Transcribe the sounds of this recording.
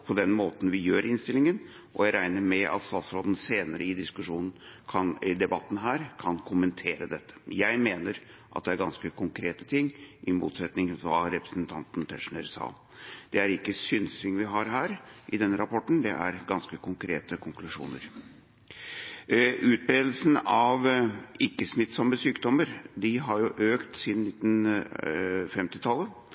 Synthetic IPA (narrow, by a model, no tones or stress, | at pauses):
pʰɔd̪ɛnmoːt̪n̩ʋɪjøːɾɪnst̪ɪlɪŋən | ʔɔ̰jæɪɾæɪnəɾmɛʔɑ̰t̪st̪ɑːt̪sɾoːd̪n̩seːnəɾəɪd̪ɪskʉʂuːnn̩kʰɑnɪd̪ɛbɑt̪ːn̩ɦæːɾkʰɑnkʰʊmənt̪ʰeːɾəd̪ɛt̪ʰːə̥jæɪmeːnəɾ | ʔɑ̰t̪̚d̪ɛæɾɡɑnskəkʰʊŋkʰɾeːt̪ə̥t̪ʰɪŋːʔɪmṵːt̪sɛt̪nɪŋfɑɾɛpɾəsnt̪ʰɑnt̪nt̪ʰɛʂnəɾsɑ̰ːl | d̪̥ɛæɾɪkːəsʏnsɪŋʋɪɦɑɾɦæːɾʔɪd̪ɛnːəɾɑpɔʈːn̩d̪ɛ̰ʔæ̰ɾɡɑnskəkʊŋkʰɾeːt̪əkʰʊŋklʉʂṵːnə̰ɾ | ʔʉːt̪̚bɾeːd̪l̩sn̩ɑʋɪkːəsmɪt̪sɔmːəsyːkd̪ɔmːəɾd̪ɪɦɑɾjʊʔøːkt̪sɪnnɪt̪ːn̩ | fɛmt̪ɪt̪ʰɑlːə